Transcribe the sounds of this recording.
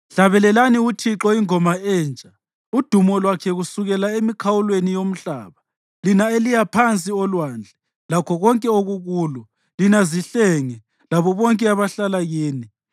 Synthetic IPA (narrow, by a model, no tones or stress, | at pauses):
ɬaβɛlɛlaniutʰiǁɔiŋɔmaɛːnt͡ʃʼa | ud̥ʱumɔlwakʰɛɣusuɣɛlaemikʰawulwenijom̩ɬa̰ːβa | linaelijapʰant͡sʼiɔlwaːnd͡ɮʱɛ | lakʰɔɣɔŋkʼɛoɣuɣuːlɔ | linaziɬɛŋɛ | laβɔβɔŋkʼɛaβaɬalaɣeːni